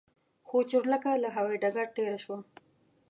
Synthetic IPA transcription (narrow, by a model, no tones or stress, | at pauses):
xot͡ʃʊɾlakalaɦaweɖaɡaɽ̚t̪eɾaʃwa